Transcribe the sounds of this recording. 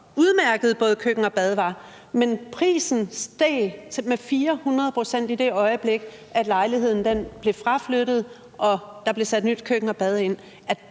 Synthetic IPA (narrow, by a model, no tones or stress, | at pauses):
uð̞ˠmæɐɡ̥əð̞̩ˠb̥ɔ̽ːð̞̩ˠkʰøɡ̥ŋ̩ɒ̽b̥ɛð̞ˠʋɑ̈ | menpʰʁḭːsn̩sd̥eːt͡sʰemefiːɐhunʁɐð̩ˠpʰʁo̝sen̰d̥id̥e̝ɒ̽ɪəb̥le̝ɡ̥ | æd̥lɑ̈ɪlihe̝ð̞̰ˠn̩d̥enb̥le̝fʁɑ̈fløɾ̥ð̞̩ˠ | ʔɒ̽d̥ɑ̈b̥le̝sæd̥nyd̥kʰøɡ̥ŋ̩ɒ̽b̥ɛð̞ˠe̝n̰ | æ̥